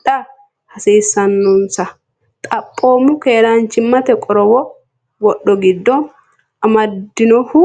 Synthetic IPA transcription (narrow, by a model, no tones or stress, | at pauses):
ɐ | hɐsiːsːɐnːɔnsɐ | t̪ʼɐpʼːo̞ːmʊkeːɾant͡ʃɪmːɐt̪ɛkʼɔɾɔwɔ | wɔɗːɔɡɪd̪ːɔ | ʔɐmɐd̪ːɪnɔhʊ